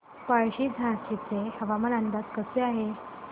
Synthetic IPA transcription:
paɭɕiːd͡zʱãɕit͡sehəʋaməɾãnd̪askəseaɦe

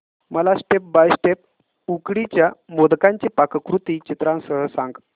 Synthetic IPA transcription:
məlasʈep̚bajsʈep̚ | ukɽit͡ɕjamod̪kaɲt͡ɕipakkɾut̪iːt͡ɕit̪ɾãnsəɦəsãŋɡ

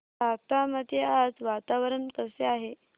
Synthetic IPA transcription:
at̪amət̪jead͡zʋat̪aʋəɾənk̪əseaɦe

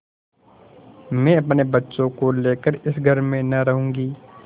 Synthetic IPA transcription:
mɛ̃ɐpnebɐtːʃõkoleːkəɾɪsɡʱəɾmẽnɐɾɐɦũːŋɡiː

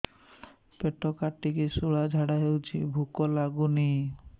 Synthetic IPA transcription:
peʈːokaʈːikisuɭad͡ʒʱaɽaɦewt͡ʃʰibʱukɔlaɡuni

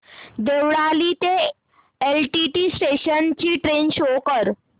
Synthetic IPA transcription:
d̪eʋɽalit̪e | elʈiʈiːsʈeɕənt͡ɕiːʈɾenɕokəɾ

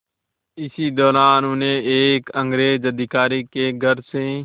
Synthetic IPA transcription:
ɪsiːd̪ɔːɾaːnʊnẽːeːkəŋɡɾeːd͡ʒəd̪ʱɪkaːɾiːkeːɡʱəɾsẽː

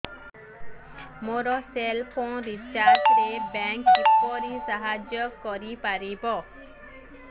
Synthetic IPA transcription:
moɾɔselpʰɔ̃ɾit͡ʃaɾʈɾebɛŋkːipɔɾisaɦad͡ʒjɔkɔɾipaɾibɔ

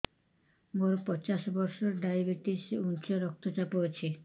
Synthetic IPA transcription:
moɾpɔt͡ɕaʃbɔɾʃɔɾɖajbiʈisunt͡ʃoɾɔk̚t̪ʰot͡ɕapoet͡ɕʰi

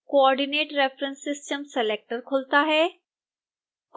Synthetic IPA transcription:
koɔːɾɖineːʈɾɛːfʰɾə̃nsɪsʈəmsɛleːk̚ʈəɾkʰʊlt̪aɦɛː | k

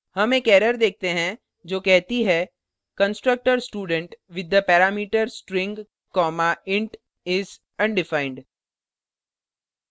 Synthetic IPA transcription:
hɐmeːkɛːɾəɾd̪eːk̚t̪eɦɛ̃ | d͡ʒoːkɛɦt̪iɦɛ | kə̃nsʈɾək̚ʈəɾsʈuːɖə̃ɳʈʋɪd̪ːəpɛːɾaːmiːʈəɾsʈɾɪ̃ŋɡ | kɔːmaɪ̃ɳʈ | ɪz | ɐ̃ɳɖɪfaɪ̃ɳɖ

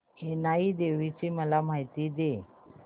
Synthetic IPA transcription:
enaid̪eʋit͡ɕiːməlamaɦit̪iːd̪e

